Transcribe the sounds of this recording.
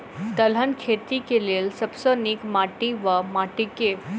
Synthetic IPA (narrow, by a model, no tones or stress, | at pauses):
t̪əl̤ənkʰet̪ikeleːlsəbsonikmaʈiʋəmaʈike